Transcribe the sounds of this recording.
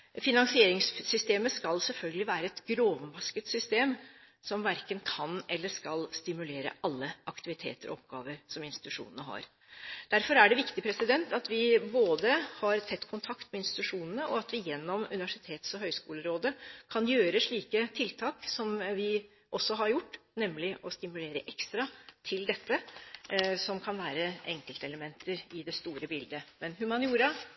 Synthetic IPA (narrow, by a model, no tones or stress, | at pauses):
fɪnɑŋsɪeːɾɪŋssʏst̪eːməskɑlsɛlfœlɡəlɪʋæːɾəɛt̪ɡɾoːʋənbɑskət̪sʏst̪eːm | sɔmʋæɾkənkʰɑnɛlːəʂkɑlst̪ɪmʉleːɾə̰ʔɑlːəʔɑkt̪ɪʋɪt̪ʰḛːt̪əɾʔɔ̰ɔpɡɑ̰ːʋəɾsɔmɪnst̪ɪt̪ʉʂṵːnənəɦɑ̰ɾ | d̪̥æɾfɔɾæɖɛʋɪkt̪ɪpʰɾɛsɪd̪ɛnt̪ʰɑt̪ʋɪboːd̪əhɑɾt̪ʰɛt̪ːkʰʊnt̪ʰɑkt̪mɛɪnst̪ɪ̥t̪ʉʂuːnənəʔɔɑt̪ʋɪjɛnːɔmʉ̰nɪʋæʂɪt̪ʰeːt̪sɔɦœʏskuːləɾoːd̪əkʰɑnjøːɾəʂɭiːkət̪ʰɪlt̪ʰɑːksɔmʋɪ | ʔɔsːɔɦɑɾjʊʈːnɛmːlɪʔɔst̪ɪmʉleːɾəʔɛkst̪ɾɑt̪ʰɪld̪ɛt̪ːə | sɔmkʰɑnʋæːɾəʔɛŋkəlt̪əɛləmɛnt̪əɾɪd̪ɛst̪uːɾəbɪld̪əmɛnɦʉmɑnjuːɾə